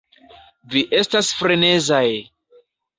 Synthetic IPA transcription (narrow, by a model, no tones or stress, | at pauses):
viʔe̞stasfɾenezaj